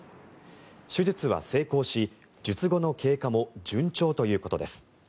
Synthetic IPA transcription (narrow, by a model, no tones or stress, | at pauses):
ɕɨʑit͡sɨβa̰se̞ːko̞ːɕi | d͡ʑɨt͡sɨɡo̞no̞kʰe̞ːkamo̞d͡ʑɨ̃ɲt͡ɕo̞ːt̪o̞jɯ̟ːko̞t̪o̞d̪e̞sɨ̥